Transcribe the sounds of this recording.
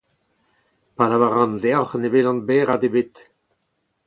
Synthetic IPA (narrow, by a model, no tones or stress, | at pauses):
palavaʁɑ̃nd̪eɔχnevelɑ̃nbɛːʁad̪ebet̪